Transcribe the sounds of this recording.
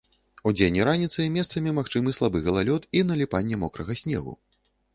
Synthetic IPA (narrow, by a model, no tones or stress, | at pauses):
ud͡zʲenʲːiɾanʲit̪sɨmʲɛst̪sɐmʲimaxt͡ʂɨmɨslˠabɨɣɐlˠalʲɔt̪inɐlʲipanʲːɛmɔkɾɐɣɐsʲnʲɛ̰ɣṵ